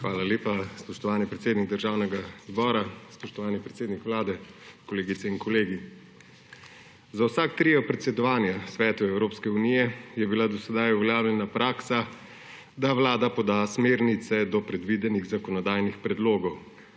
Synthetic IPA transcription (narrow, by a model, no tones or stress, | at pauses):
xʋaːlaleːpaspɔʃt̪ɔʋaːnipɾɛt̪seːd̪niɡ̚d̪əɾʒaːwnɛɡazbɔːɾaspɔʃt̪ɔʋaːnipɾɛt̪seːd̪nikʋlaːd̪ɛkɔleːɡit̪sɛinkɔleːɡi | zawsak̚t̪ɾijɔpɾɛt̪sɛd̪ɔʋaːnjasʋɛːt̪uɛwɾoːpskɛunijɛjɛbilad̪ɔsɛd̪ajuʋɛljaːwljɛnapɾʔaːksa | d̪aʋlaːd̪apɔd̪aːsmeːɾnit̪sɛd̪ɔpɾɛd̪ʋid̪ɛniɣzakɔnɔd̪aːjnixpɾɛd̪loːɡɔw